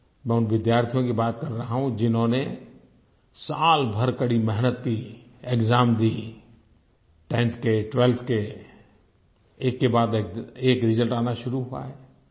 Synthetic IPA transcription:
mɛ̃ːʊnʋɪd̪jaːɾt̪ʰijõkibaːt̪kəɾːəɦaɦũd͡ʒɪnɦõne | saːlbʱəɾkəɽimɛɦnət̪kiekzaːmd̪iː | ʈɛ̃ːnt̪ʰkeʈwelt̪ʰke | eːkːebaːd̪ekeːkɾɪd͡ʒəlʈaːnaʃʊɾuɦua̰ɦɛː

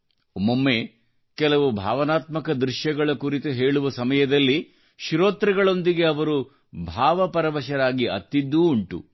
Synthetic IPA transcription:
momːe̞ː | kɛlɐʋubʱa̰ːʋɐnaːt̪mɐkɐd̪ɾɪʃjɐɡɐɭɐkuɾit̪uɦe̞ːɭuʋɐsɐmɐjɐd̪ɐlːi | ʃiɾoːt̪ɾɐɡɐɭo̞nd̪iɡe̞ɐʋɐɾu | bʱaːʋɐpɐɾɐʋɐʃɐɾaːɡiɐ̰t̪ːid̪ːuːɳʈṵ

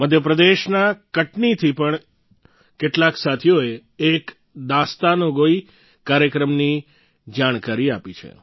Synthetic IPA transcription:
məd̪ʱjəpɾəd̪eʃnakəʈnit̪ʰipəɳ | keʈlaksat̪ʰjoeek | d̪ast̪anoɡoi | kːaɾjəkɾəmni | d͡ʒaɽ̃kaɾiapit͡ʃʰḛ

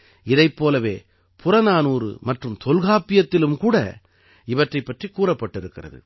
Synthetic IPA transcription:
ɪðɐɪpːoːlɐʋeː | pʊrɐnaːnuːrɯ̰mɐʈrɯmt̪ɔlɣaːpːɪjɐt̪ːɪlɯmkuːɽɐ̰ | ɪʋɐʈrɐɪpːɐʈrikːuːrɐpːɐʈːɪɾɯkːɪrɐ̰ðɯ̰

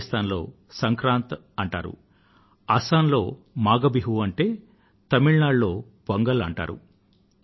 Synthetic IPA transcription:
st̪ʰaːnlo̞̰ː | sɐŋkɾaːnt̪ | ɐɳʈa̰ːɾṵ | ɐsaːnlo̞ː | maːɡɐbiɦuɐɳʈe̞ː | t̪ɐmiɭnaːɖlo̞ː | bɐŋɡɐlɐɳʈa̰ːɾṵ

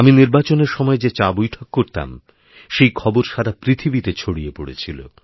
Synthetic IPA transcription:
aminiɾbat͡ɕoneɾʃɔmɔed͡ʑet͡ɕabojʈʰokːoɾt̪a̰m | ʃejkʰɔboɾʃaɾapɾit̪ʰibit̪et͡ɕʰoɽijepo̰ɽḛt͡ɕʰilo̰

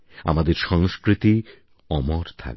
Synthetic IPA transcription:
a̰mad̪eɾʃɔŋskɾit̪i | ɔmoɾt̪ʰa̰k̚

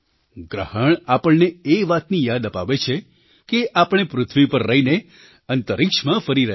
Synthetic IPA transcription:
ɡɾəhəɳapəɭneeʋat̪nijad̪əpaʋet͡ʃʰe | keʔapəɳ̃epɾʊt̪ʰʋipəɾːəɦine | ənt̪əɾikʃmãfəɾiɾəɦ

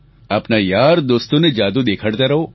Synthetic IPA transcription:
ɐpnajaːɾd̪oːst̪õned͡ʒaːd̪ud̪eːkʰəɽt̪aɾɐɦoː

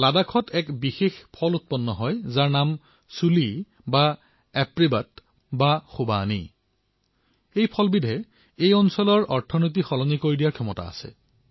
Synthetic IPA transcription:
ladakʰɔtʰɛkbixexpʰɔlut̚pɔnːɔɦɔjzaɹnam | suli | ba | ɛpɹibat | baxubanḭ | ejpʰɔlbidʱɛ | ejɔnsɔlɔɹʔɔɹtʰɔnot̬ixɔlɔnikoɹidijaɹkʰɔmɔta̰a̰sɛ̰

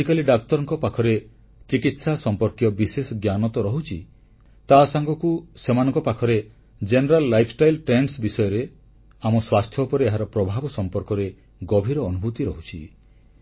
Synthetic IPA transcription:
ikaliɖakt̪ɔɾɔŋkɔpakʰɔɾe | t͡ʃikit̪sasɔmpɔɾkjɔbisesɔɡjanɔt̪ɔɾɔɦut͡ʃʰi | t̪asaŋɡɔkusemanɔŋkɔpakʰɔɾe | d͡ʒeneɾalːajpʰsʈajlʈɾenɖsbisɔjɔɾe | amɔswast̪ʰjɔupɔɾeːɦaɾɔpɾɔbʱabɔsɔmpɔɾkɔɾe | ɡɔbʱiɾɔːnubʱut̪iɾɔɦut͡ʃʰi

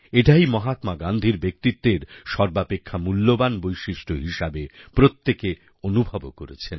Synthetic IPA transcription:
eʈajmɔɦat̪maɡand̪ʱiɾbek̚t̪it̪ːeɾʃɔɾbapekʰːamulːobanbojʃiʃʈʰoɦiʃabepɾot̪ːeke | onubʱabokoɾḛt͡ɕʰen

